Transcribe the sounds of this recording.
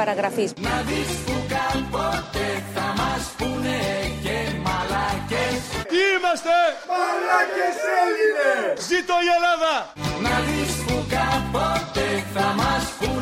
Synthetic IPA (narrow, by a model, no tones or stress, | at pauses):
aɾaɣɾafisnaðiskukapɔt̪eθamaspunekemalakesimast̪eaakese | zit̪ojelaða | naðiskukapɔt̪eθamaspu